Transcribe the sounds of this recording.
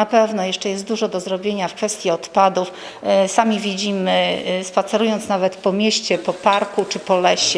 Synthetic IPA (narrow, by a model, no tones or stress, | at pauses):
apɛvnɔjɛʂt͡ʂɛjɛst̪d̪uʐɔd̪ɔzɾɔbʲjeɲafkfɛst̪ʲjiɔt̪pad̪uf | samʲivʲid͡ʑimɘspat̪sɛɾujɔnt̪snavɛt̪pɔmʲjeɕt͡ɕɛpɔpaɾkut͡ʂɘpɔlɛɕɛ